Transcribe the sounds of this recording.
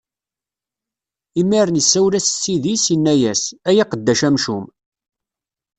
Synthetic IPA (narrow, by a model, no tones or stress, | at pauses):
imːiɾnisːæwlæssːiðisinːæjæsæjaqəd̪ːæʃæmʃum